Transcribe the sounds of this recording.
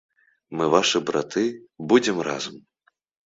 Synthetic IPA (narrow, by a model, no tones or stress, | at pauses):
mɨvaʂɨbɾa̰t̪ʰɨbud͡zʲɛmra̰zɐm